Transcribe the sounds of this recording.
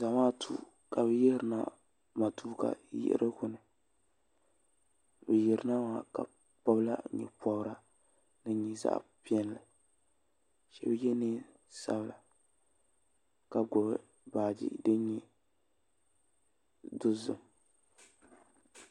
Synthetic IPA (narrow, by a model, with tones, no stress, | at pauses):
za˨maː˦tʰuː˦˨ | ka˨bɨ˦jɛ˦hɾɨ˨na̰˦ | ma˨tuː˦ka̰˨jɪ̰˦ʔɾʔɨ˦kʊ˨nɨ˨ | bɨ˨jɛ˨ɾɨ˨na˦wa˦ka̰˨ | pɔ˦bla˦ɲɛ̰˨pɔ˦bɾa˨ | nɨ˨ɲi˨za̰˦ʔpi˦ɛ˦n˨lɨ˨ | ʃɛ˦bjɛ˦ne˦ | sa̰˦bla˨ | ka˨ɡʊ˨b | baː˨d͡ʒḭ˦dɨ˦ɲɛ˦ | dʊ˦zʊ˨m